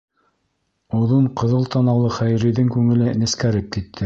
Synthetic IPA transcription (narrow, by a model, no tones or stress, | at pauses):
uðɤɴqɤ̆ðɤlˠt̪ɑnɑwlˠɤχæjɾɘ̆jðɘŋkʉŋɘ̆lɘnɘ̆skæɾɘp̚kit̪ʰːɘ